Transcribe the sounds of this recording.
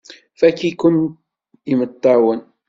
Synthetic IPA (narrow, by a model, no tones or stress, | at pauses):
fakikʊn | imʊt̪ːawan